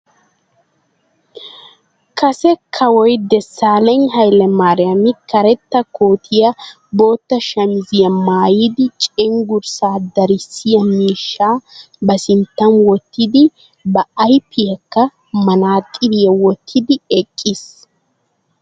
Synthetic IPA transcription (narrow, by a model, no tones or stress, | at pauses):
kɐsɛkʰːɐwɔjd̪ɛsːaːlɛɲɦɐjlɛmaːɾɪjɐmɪkɐɾɛt̪ːɐkoːt̪ʰɪjɐ | bo̞ːt̪ːɐʃɐmɪzɪjɐmaːjiːd̪ɪt͡ʃʼɛŋɡʊɾsaːd̪ɐɾɪsɪjɐmiːʃːaː | bɐsɪnt̪ːɐnwɔt̪ːɪd̪ɪ | bɐʔːjpːɪjɐkːɐ | mɐnaːt̪ʼɪbɪjɐwɔt̪ʰːɪd̪ɪɛkʼːis